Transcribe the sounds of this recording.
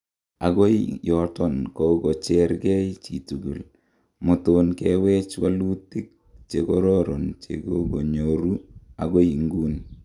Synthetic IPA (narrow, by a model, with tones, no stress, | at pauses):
a̰˨ko˦ijɔ˨tɔ˦nkɔ˦kot͡ʃɛ˦rkɛ˦jt͡ʃi˨tu˨ɡu˨l | mo˨tonkɛwɛ˦t͡ʃwa˦lu˦ti˦k̚ | t͡ʃekɔ˦ɾɔ˦ɾo˨nt͡ʃḛ˨ko˦ɡo˨ɲoɾu˦a̰ko˦i˨ŋɡuː˦n